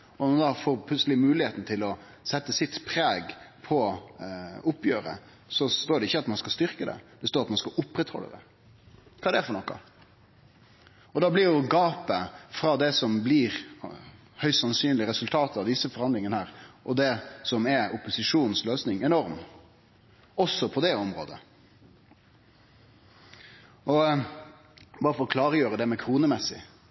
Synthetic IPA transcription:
ɔnmɔɑnd̪ɑːfoːɾpʰlʉt̪səlɪmʉːlɪheːt̪n̩t̪ʰɪlɔ | sɛt̪ːəsɪt̪pʰɾeːɡpʰɔ | ʊpːjøːɾə̰ | sɔst̪oːɖɛɪçːəɑt̪mɑnskɑst̪ʏɾkəd̪ɛ̰d̪̥ɛst̪oːɾɑt̪mɑnskɑʔʊpːɾɛt̪hɔ̰lːə̰d̪ɛ̰ | kʰɑːd̪ɛæfɔɾɳɔkːɑ̰ | ɔd̪ɑːblɪɾjʊɡɑːpəfɾɑd̪ɛsɔmblɪɾ | hœʏst̪sɑnsyːnlɪəɾɛsʉlt̪ʰɑːt̪ɑʋd̪ɪsəfɔɾhɑnd̪lɪŋənəhæːɾʔɔd̪ɛsɔmɛʊpːʊsɪʂuːnn̩sløːsnɪŋɛnɔɾm | ɔsːɔpʰɔd̪ɛɔmɾo̰ːd̪ə̰ | ʔɔ | bɑːɾəfɔɾɔkʰlɑːɾəjøːɾəd̪ɛmɛkʰɾuːnəmɛsːɪ̰

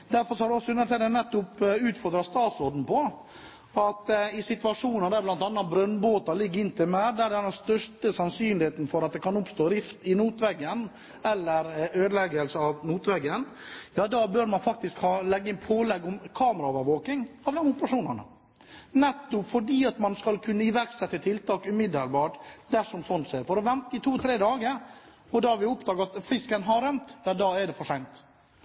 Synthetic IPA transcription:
d̪̥æɾfɔɾsɔhɑɾɖʉɔsːɔʉnːəɾt̪ʰɪld̪ɛnɛt̪ːʊpʉːt̪fɔɾd̪ɾɑst̪ɑːt̪sɾɔɾd̪n̩pʰɔ | ɑt̪ɪsɪt̪ʋɑʂuːnɑd̪ɛblɑnt̪ɑnːɑbɾœnːboːt̪ɑlɪɡːəɾɪnt̪ʰɪmæɾd̪æɾɖ̪ɛnːɛst̪œʂʈəsɑnsyːnlɪheːt̪n̩fɔɾɑt̪̚d̪ɛkɑnʊpst̪oːɾɪft̪ɪnuːt̪ʋɛɡːən | ɛlːəɾøːd̪əlɛɡəlsəɑʋnuːt̪ʋɛɡənjɑːd̪ɑːbøːɾmɑnfɑk̚t̪ɪskhɑlɛɡːəɪnpʰoːlɛɡɔmkʰɑːməɾɑoːʋəɾʋoːkɪŋɑʋd̪ɛmʊpəɾɑʂuːnənə̰ | nɛt̪ːɔpfɔɖiːɑt̪mɑnskɑlkʰʉnːəɪʋæɾksɛt̪ːət̪ʰɪlt̪ʰɑːkʉmɪd̪əlbɑːʈd̪æʂɔmsɔnseːɾfɔɾɔʋɛnt̪əɪt̪ʰuːt̪ʰɾeːd̪ɑːɡəɾ | ɔd̪ɑɑɾʋɪʊpd̪ɑːɡɑt̪fɾɪskənɦɑɾœmt̪j̪ɑd̪ɑːɛɖɛfɔʂæɪnt̪

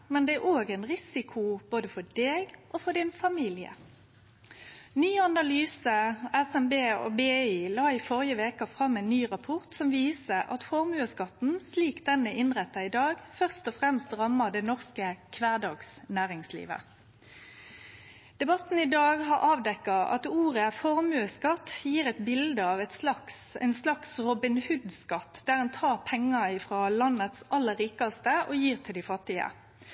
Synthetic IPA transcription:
mɛnd̪ɛæʁʔoːɡɛnʁɪsɪkʰʊb̥oːd̪əfɔɖ̪eːɡʔɔfɔd̪ɪnfɑmiːlɪə̰ | nyːɑnɑlyːsəɛsɛmbeːo̰beːiːlɑːɪfɔʁjəʋeːkɑfʁɑmːɛnːyːʁɑpʰɔʁt̪sɔmʋiːsəʔɑ̰t̪fɔʁmʉːəskɑt̪n̩sliːkd̪ɛnːəʔɪnʁɛt̪ːɑɪd̪ɑːɡfœʁst̪ɔfʁɛmst̪ʁɑmːəd̪ɛnɔʁskəkʰʋæːd̪ɑːɡsnæːʁɪŋslḭːʋə̰ | d̪̥ɛbɑt̪n̩ɪd̪ɑːɡɦɑʁʔɑːʋd̪ɛkːɑɑ̰t̪uːʁəfɔʁmʉːəskɑt̪ːjiːʁɛt̪bɪld̪əɑːʋɛt̪slɑksɛ̰ɪnslɑksʁɔbɪnhʉd̪skɑt̪ːd̪æʁhɑnt̪ʰɑːʁpʰɛŋːɑɪfɾɑːlɑnət̪sɑlːəɾːiːkɑst̪əʔɔːjiːʁt̪ʰɪld̪ɪfɑt̪ːɪə̰

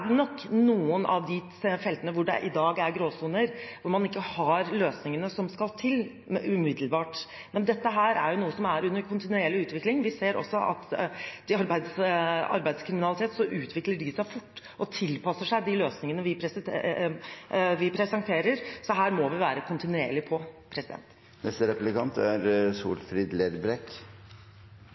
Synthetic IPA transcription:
ɖ̪nɔkːnuːənʔɑ̰ʋd̪ɪ | fɛlt̪ənəʋʊɖɛ̰ʔɪd̪ɑːɡæɾɡɾoːsuːnəɾʋʊɾmɑnɪkːəhɑɾløːsnɪŋənəsɔmskɑlt̪ʰɪl | ʉmɪd̪əlbɑːʈ | mɛnd̪ɛt̪ːəɦæːɾæ̰ɾjʊnuːəsɔmæɾʉnːəɾkʰʊnt̪ɪnʉɛlːɪʉːt̪ʋɪklɪŋʋɪseːɾɔ̰sːɔʔɑ̰t̪d̪̥ɪɑɾbæɪd̪sɑ̰ɾbæɪd̪skʰɾɪmɪnɑlɪt̪eːt̪sɔʔʉːt̪ʰʋɪkləɖɪsæɪfʊʈː | ʔɔt̪ʰɪlpɑsːəʂæɪd̪ɪløːsnɪŋənəʋɪpʰɾɛs | ʋɪpʰɾɛsɛŋt̪ʰeːɾəɾsɔɦæːɾmɔʋɪʋæːɾəkʰʊnt̪ɪnʉḛːɭɪpʰɔpʰɾɛsɪd̪ɛ̰nt̪ | nɛst̪əɾɛplɪkɑnt̪æɾsṵːlfɾɪd̪leɾbɾɛk

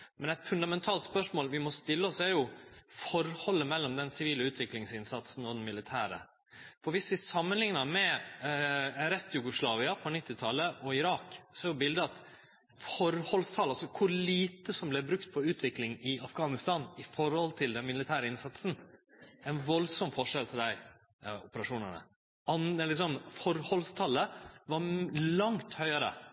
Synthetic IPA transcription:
mɛnɛɪt̪fʉnd̪ɑmɛnt̪ʰɑːlt̪spœʂmoːlʋɪmɔst̪ɪlːəɔsæɾjʊfɔɾhɔlːəmɛlːɔmd̪ɛnsɪʋiːləʉːt̪ʰʋɪklɪŋsɪnsɑt̪sn̩ɔd̪ɛnmɪlɪt̪ʰæːɾə̰ | fɔɾʋɪsʋɪsɑmːənlɪŋnəɾmɛ | ɾɛst̪jʊɡʊslɑːʋɪɑpʰɔnɪt̪ːɪt̪ʰɑlːəʔɔɪɾɑːksɔæɾjʊbɪld̪əɑt̪ | fɔɾhɔlst̪ʰɑlɑlsɔkʰʊliːt̪əsɔmblɛbɾʉkt̪̚pʰɔʉːt̪ʰʋɪklɪŋɪɑfɡɑːnɪst̪ɑːnɪfɔɾhɔlt̪ʰɪld̪ɛnmɪlɪt̪ʰæːɾəɪnsɑt̪sn̩ | ɛɪnʋɔlsɔmfɔʂɛlt̪ʰɪld̪æɪ | ɔpəɾɑʂuːnənə̰ | ɑnlɪks̬ɔmfɔɾhɔlst̪ʰɑlːəʋɑɾlɑŋt̪hœʏəɾə̰

